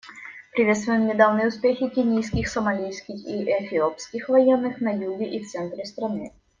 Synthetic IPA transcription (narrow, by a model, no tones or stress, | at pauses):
pɾʲɪvʲest̪vʊjɪmnʲɪd̪avnɨjəʊspʲexʲɪkʲɪnʲijskʲɪxsəmɐlʲijskʲɪxiʔɛfʲɪopskʲɪxvɐjenːɨxnɐjuɡʲɪʔift̪sɛnt̪ɾʲɪst̪ɾɐnɨ